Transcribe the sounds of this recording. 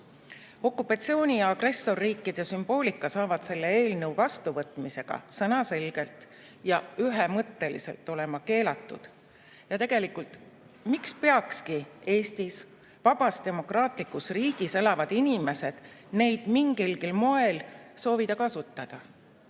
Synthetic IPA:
o̞kːˑupːˑɑt̪sio̞ːnʲiɑɑɡ̥re̞sːo̞rːiːkːˑid̪̥esymb̥o̞ːlʲikːˑɑsɑːvɑd̪̥se̞lːe̞e̞ːlnɤwvɑst̪uvɤt̪ːˑmise̞ɡ̥ɑ̰sɤnɑse̞lɡ̥e̞lt̪ | jɑyɦemɤt̪ˑːe̞lḭse̞̰lt̪ˑːo̞le̞mɑke̞ːlɑt̪ːˑud̪̥ | jɑt̪e̞ɡ̥e̞likult̪ | mikspeɑkskie̞ːst̪is | vɑb̥ɑst̪e̞mo̞krɑːt̪ˑlikːˑusriːɡ̥ise̞lɑvɑd̪̥inime̞se̞d̪̥ne̞jd̪̥miŋɡilɡ̥ilmo̞e̞lso̞ːvid̪̥ɑkɑsut̪ːɑd̪̥ɑ

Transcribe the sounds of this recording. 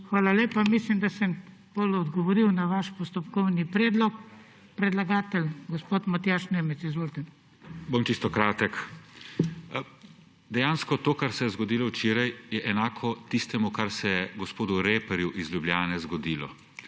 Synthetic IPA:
xʋaːlaleːpamislimd̪asəm | polɔd̪ɡɔʋɔɾiwnaʋaʃpɔst̪ɔpkɔwnipɾɛːd̪lɔk | pɾɛd̪laɡaːt̪ɛlɡɔspoːt̪mat̪jaʃneːmɛsizʋoːlt̪ɛ | bomt͡ʃist̪ɔkɾaːt̪ɛk | d̪ɛjaːnskɔt̪oːkaɾsɛjɛzɡɔd̪iːlɔwt͡ʃeːɾajjɛʔɛnaːkʰɔt̪ist̪ɛmukaɾsɛjɛɡɔspoːd̪uɾeːpɛɾjuʔizljublʲjaːnɛzɡɔd̪iːlɔ̰

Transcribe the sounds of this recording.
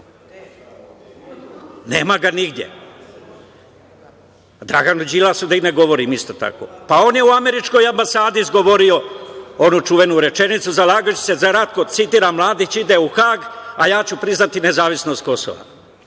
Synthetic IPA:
ne̞ːmaɡaniɡd̪je̞̰ | d̪ɾa̰ɡanud͡ʑilasud̪aine̞ɡo̞ʋo̞ɾiːmist̪o̞t̪a̰ko̞̰pao̞ːnjeuame̞ɾit͡ʃko̞jambasaːd̪iizɡo̞ʋo̞ɾio̞onut͡ʃuʋe̞nuɾe̞t͡ʃe̞nit̪suzalaːɡat͡ɕu̥se̞zaɾat̪̚ko̞sit̪iːɾamlˠaːd̪it͡ɕid̪euxaːɡajaːt͡ɕupɾiznat̪ine̞zaːʋisno̞st̪̚ko̞so̰ʋa̰

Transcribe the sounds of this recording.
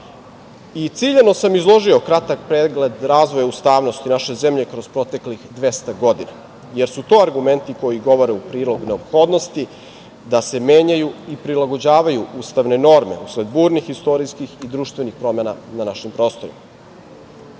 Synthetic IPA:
it̪siʎeno̞samizlˠo̞ʒio̞kɾat̪akpɾeːɡle̞d̪ɾaːzʋojaust̪aːʋno̞st̪inaʃeze̞mʎe̞kɾo̞zpɾo̞t̪e̞klixd̪ʋe̞st̪aɡo̞d̪ina | je̞ɾsut̪o̞ːaɾɡume̞nt̪iko̞jiɡo̞ʋo̞ɾeupɾiːlˠo̞ɡne̞o̞pxo̞ːd̪nost̪i | d̪ase̞meːɲajuipɾilaɡo̞d͡ʑaːʋajuuːst̪aʋne̞no̞ɾme̞̰usle̞d̪buːɾnixist̪o̞ɾijskixid̪ɾuːʃt̪ʋe̞nixpɾo̞me̞nananaʃimpɾo̞ːst̪o̞ɾḭma

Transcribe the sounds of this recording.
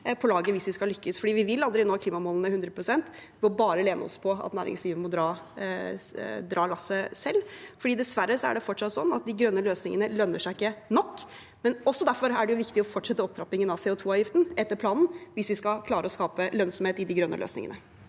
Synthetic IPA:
pʰɔlɑːɡəʋɪsʋɪskɑlʏkːəsfɔɖiːʋɪʋɪlɑld̪ɾɪnoːkʰliːmɑmoːlnəhʉnd̪ɾəpʰɾʊsɛnt̪ | ɪmɔbɑːɾəleːnə̰ɔ̰spʰɔɑ̰t̪næ̰ːɾʔɪ̰ŋsliːʋənmɔd̪ɾɑː | d̪ɾɑːlɑsːəsɛlːfɔɖiːd̪ɛsʋæɾːəsɔæ̰ɖɛfɔʈːsɑt̪ːsɔnːɑt̪̚d̪ɪɡɾœnːəløːsnɪŋənəlœnːəʂæɪɪkːənɔkː | mɛnɔsːɔd̪æɾfɔɾæɖɛjʊʋɪkt̪ɪɔfɔʈʂɛt̪ːəɔpt̪ʰɾɑpːɪŋənɑʋsɛːɔt̪ʰuːɑːʋjɪft̪nɛt̪ːəɾpʰlɑːnn̩ʋɪsʋɪskɑkʰlɑːɾəɔskɑːpəlœnsɔmheːt̪ɪd̪ɪɡɾœnːə̰lø̰ːsnɪ̰ŋə̰nə

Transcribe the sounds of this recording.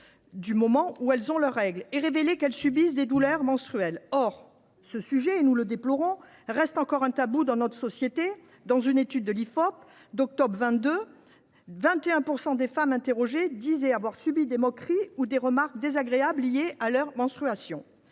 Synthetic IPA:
d̪ymɔmɑ̃uɛlzɔ̃lœʁːɛɡleʁevelekɛlsybisd̪ed̪ulœʁmɑ̃st̪χyɛlɔʁ | səsyʒɛːnuləd̪eplɔʁɔ̃ | ʁɛst̪ɑ̃kɔʁɛ̃t̪abud̪ɑ̃nɔt̪χə̥sɔsjet̪e | d̪ɑ̃zynet̪yd̪ːəlifɔp | d̪ɔk̚t̪ɔbʁvɛ̃t̪̚d̪ø | vɛ̃t̪eɛ̃puʁsɑ̃d̪efamɛ̃t̪eʁɔʒed̪izɛavwaʁsybid̪emɔkχiud̪eʁəmaʁk̚d̪ezaɡʁeablːijealœʁmɑ̃st̪χyasjɔ̃

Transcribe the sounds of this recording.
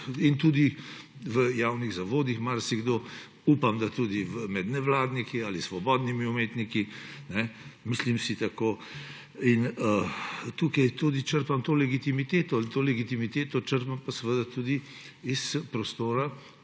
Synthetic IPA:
int̪ud̪i | ʋəjawniɣzaʋoːd̪ixmaɾsiɡd̪oː | upamd̪at̪uːd̪ivəmɛd̪nɛʋlaːd̪nikiaːlisʋɔbɔːd̪nimiumeːt̪nikinɛmislimsit̪akoː | inət̪uːkajt̪ud̪it͡ʃəɾpamt̪oːlɛɡit̪imit̪eːt̪ɔalt̪oːlɛɡit̪imit̪eːt̪ɔt͡ʃəɾpampasəʋəd̪at̪ud̪i | ispɾɔst̪oːɾa

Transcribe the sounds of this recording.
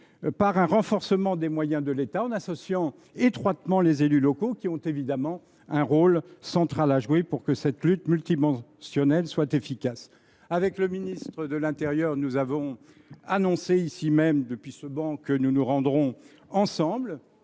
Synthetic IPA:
paʁɛ̃ʁɑ̃fɔʁsəmɑ̃d̪emwajɛ̃d̪əlet̪aɑ̃nasɔsjɑ̃ | et̪χwat̪mɑ̃lezelylɔkokʲiɔ̃t̪evid̪amɑ̃ | ɛ̃ʁolsɑ̃t̪χalaʒwepuʁkəsɛt̪lyt̪mylt̪imɑ̃sjɔnɛlswat̪efikas | avɛkləminist̪χəd̪əlɛ̃t̪eʁjœʁnuzavɔ̃ | anɔ̃seisimɛmd̪əpɥisəbɑ̃kənunuʁɑ̃d̪ʁɔ̃ | ɑ̃sɑ̃bl

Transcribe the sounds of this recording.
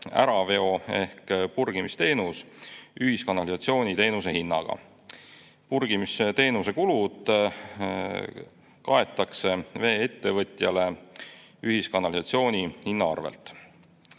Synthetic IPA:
æ̰ɾɑve̞o̞e̞hkpurɡ̥imist̪e̞ːnusyɦiskɑnɑlisɑt̪sio̞ːnʲit̪e̞ːnuse̞ɦinːɑ̰ɡ̥ɑ̰ | purɡ̥imiset̪e̞ːnuse̞kulud̪̥ | kɑe̞t̪ːˑɑkse̞ve̞ːet̪ːe̞vɤt̪jɑle̞ | yɦiskɑnɑlisɑt̪sio̞ːnʲihinːɑɑ̰rvḛlt̪ˑ

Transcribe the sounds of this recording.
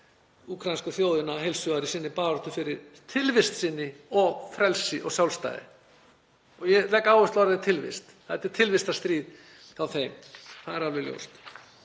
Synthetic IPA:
uːkʰɾajnskʏθjoːwðɪnaɦejlsʏaɾɪsɪnːɪpaːɾɔt̪ʏfɪɾɪɾ̥t̪ʰɪlvɪst̪sɪnːɪɔɣfɾɛlsɪʔɔɣsjawlst̪a̰jðɪ̰ | ɔɣjɛlɛkːaːwʏst̪ɔɾaðɪt̪ʰɪlvɪ̰st̪ | hɛt̪ɪ̥t̪ʰɪlvɪst̪ast̪ɾiːð | θawθejmθaðɛɾalɪljo̰wst̪

